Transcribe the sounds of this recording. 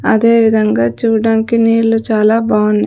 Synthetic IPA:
ɐd̪e̞ːʋid̪ʱɐŋɡaːt͡ʃuːɖaːnikiniːɭːut͡ʃaːlaːbʱaːʋuni

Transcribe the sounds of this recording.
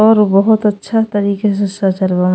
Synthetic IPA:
ɔːɾbɔɦʊt̪ɐtːʃʰat̪ɐɾiːkes̬esat͡ʃɐɾbam

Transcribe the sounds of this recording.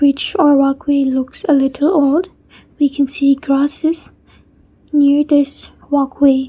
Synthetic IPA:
ɹɪt͡ʃə˞ɹɑkʰweɪlʊksəlɪɾʰl̩ˠolˠd | wikʰɨ̃nsiɡɹæsɨz̥ | nɪɹðɪs | wɑkʰweɪ

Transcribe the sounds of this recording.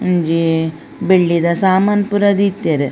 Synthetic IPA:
nd͡ʒi | beɭːid̪ɐsaːmanpuɾɐd̪it̪ːeɾe

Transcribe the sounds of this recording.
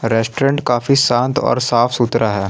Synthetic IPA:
ɾɛːsʈɾẽɳʈkaːfisãːnt̪ɔ̰ːɾsaːfʰsut̪ɾaɦɛː

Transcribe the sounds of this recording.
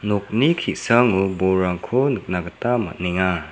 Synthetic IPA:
nɔk̚nikʰisaŋubɔɾaŋkʰɔnɯk̚naɡatama̰t̚neŋa

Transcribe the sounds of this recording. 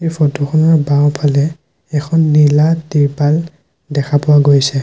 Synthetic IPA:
ejfʰɔtʰukʰɔnɔɹbaw̃pʰalɛ | ɛkʰɔnːiladiɹpal | dɛkʰapʊwaɡojsɛ

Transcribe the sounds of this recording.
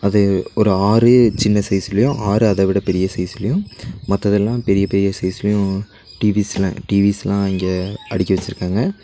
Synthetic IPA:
ɐðɯɔɾɯaːɾɯt͡ʃɪnːɐsɐɪsɪlɐjʊ̃ʔaːɾɯɐðɐʋɪɽɐpɛɾɪjɐsɐɪsɪlɐjʊ̃mɐt̪ːɐðɛlːãːpɛɾɪjɐpɛɾɪjɐsɐɪsɪlɐjʊ̃ | ʈiːʋislɐ̰̃ʈiːʋisɛlãːɪŋɡeːɐɽɪkʲːɐʋɐt͡ʃːɪɾɯkːaːŋɡɐ

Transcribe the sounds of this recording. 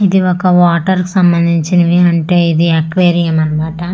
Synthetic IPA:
ɪðiʋɔkːɐʋaːʈːɐɾkɯsɐmbɐnd̪iɲt͡ʃːinɐʋeːɐɳʈeiðɯɐkʋeːɾijɐmɐɾɯmaːʈːaː

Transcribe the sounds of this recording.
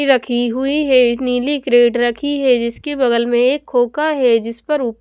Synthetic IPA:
ɾɐkʰiɦʊiɦɛniːlikɾeːɖɾɐkʰiɦɛd͡ʒɪskebɐɡəlmẽeːkʰːoːkaɦɛd͡ʒɪspɐɾʊp

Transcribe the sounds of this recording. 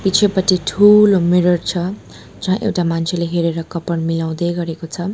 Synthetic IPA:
pit͡sʰepʌʈiʈʰulomiɾʌrt͡sʰʌ | d͡zʌɦãʔḛwʈamant͡sʰeleɦeɾeɾʌkʌpʌɽmilaw̃d̪ʌjɡʌɾekot͡sʰʌ

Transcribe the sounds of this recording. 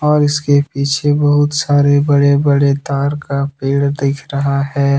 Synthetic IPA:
ɔːɾɪskepiːt͡ʃʰebɐɦʊt̪saːɾebɐɽebɐɽet̪aːɾkapiːɽd̪ɪːkʰɾɐɦaɦɛː

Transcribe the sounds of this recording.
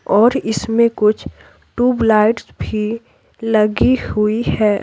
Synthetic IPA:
ɔːɾɪsmẽkʊt͡ʃʰ | ʈuːblaːɪʈsbʱi | lɐɡihʊiɦɛː

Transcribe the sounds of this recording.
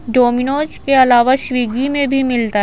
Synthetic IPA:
ɖoːmɪnoːd͡ʒkeɐlaːʋaʃwiːɡimẽbʱimɪlt̪aɦ

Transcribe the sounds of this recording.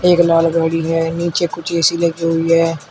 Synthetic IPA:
eːklaːlɡəːɽiɦɛːniːt͡ʃekʊt͡ʃʰeːsileɡiɦʊiɦɛː

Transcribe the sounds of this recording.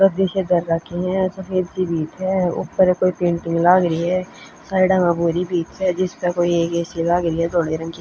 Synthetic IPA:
ɾəd̪ɪʃed̪əɾːaːkiɦɛ̃səfeːd̪sibiːt̪ɦɛːʊ̰kpəɾkoːipẽːɳʈɪ̃ŋɡlaːɡɾəiɦɛː | saːiɖamãbuːɾibiːt̪ɦɛd͡ʒɪspəkoːieːkeːsilaːɡɾəiɦɛd̪oːɽeɾə̃ŋki

